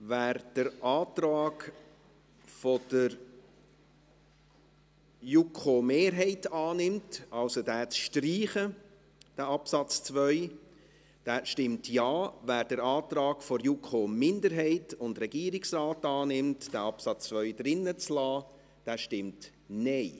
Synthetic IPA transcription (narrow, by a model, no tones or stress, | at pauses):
væːɾd̥əɾʔɑːtrɑːɡ | fod̥ə | jukʰomeːɾɦɛɪtɑːnɪmtʔɑlsodæːt͡sʃtriːχə | d̥æːɑpsɑt͡st͡svœʏ | d̥æːʃtɪmtjɑːvæːɾd̥əɾɑːtrɑːɡ̥foɾjukχoːmɪndəɾɦɛɪtʊndɾɛɡiːɾɪksraːtɑːnɪmtd̥æːɑpsɑt͡st͡sʋœʏdɾɪnːət͡slɑː | d̥æːʃtɪmt | nɛɪ